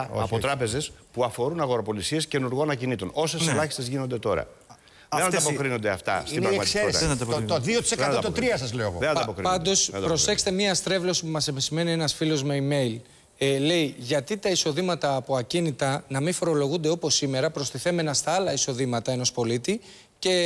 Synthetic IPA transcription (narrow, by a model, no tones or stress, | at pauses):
ɐ̰pot̪ɾɐpe̞ze̞spuɐfo̞ɾunɐɣo̞ɾopo̞lisie̞sce̞nuɾɣoɐnɐcinit̪uno̞seselɐçist̪ezʝino̞nd̪e̞t̪o̞ɾɐ̰ | ðenɐd̪ɐpo̞kɾino̞nd̪eɐft̪ɐ̰stiinɾɐmɐtsieɾsðiot̪i̥sekɐt̪ot̪ɾiɐsɐzleoɣoðenɐɐpokɾipɐnd̪o̞spɾo̞se̞xse̥t̪emɲɐɐst̪ɾe̞vlo̞si̥pumɐsepisime̞nie̞nɐsfilo̞zmeime̞jl | le̞iʝɐt̪it̪ɐiso̞ðimɐt̪ɐːpo̞ɐcinit̪ɐnɐmiɱfo̞ɾo̞lo̞ɣund̪e̞o̞po̞sime̞ɾɐpɾo̞st̪iθe̞me̞nɐst̪ɐɐlɐiso̞ðimɐt̪ɐe̞nospo̞lit̪i | ce̞